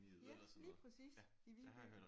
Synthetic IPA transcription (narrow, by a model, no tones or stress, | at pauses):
jælḭːpʰʁɛsḭːs | iʋiɡ̥y̥